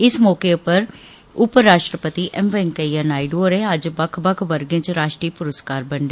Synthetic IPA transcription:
ɪsmɔːkeʊpːəɾ | ʊpɾaːʃʈɾəpət̪iːʔɛmʋeŋkəiənaːiɖoːɾeːəd͡ʒbəkʰbəkʰʋəɾɡẽːt͡ʃɾaːʃʈɾiːpʊɾəskaːɾbəɳɖ̪e

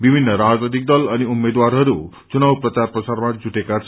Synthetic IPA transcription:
bibʱinːʌɾad͡znʌd̪ik̚d̪ʌlʌniumːed̪waɾɦʌɾu | t͡sunawprʌt͡sarprʌsarmad͡zuʈekat͡sʰ

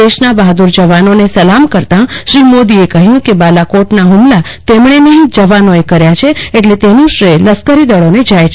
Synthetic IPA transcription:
eʃnabaɦd̪uɾd͡ʒəʋanonesəlamkəɾt̪ãʃɾimod̪iekəɦjũkebalakoʈnaɦumlat̪emɳ̃enəɦĩd͡ʒəʋanoekəɾjat͡ʃʰeeʈlet̪enũʃɾeləskəɾid̪əɭoned͡ʒajt͡ʃʰ

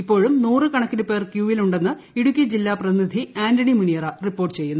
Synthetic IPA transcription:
ipːo̞ːɻumnuːrɨkɐɳɐkːinɨpe̞ːrkjuːʋiluɳɖe̞nːɨ | iɽukʲːid͡ʑilːaːprɐt̪inid̪ʱiaːndɐɳimunijɐrɐripːo̞ːrʈːɨt͡ɕe̞jːunːu

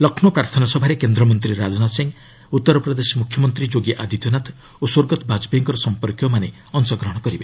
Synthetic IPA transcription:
lɔkʰnɔpɾaɾt̪ʰɔnasɔbʱaɾekend̪ɾɔmɔnt̪ɾiɾad͡ʒɔnasiŋ | ut̪ːɔɾɔpɾɔd̪esɔmukʰjɔmɔnt̪ɾid͡ʒoɡiʔad̪ʱit̪ɔnat̪ | oswoɾɡɔt̪ɔbad͡ʒbeŋkɔɾɔsɔmpɔɾkjɔmane | ɔnsɔɡɾɔɦɔɽ̃ɔkɔɾibe

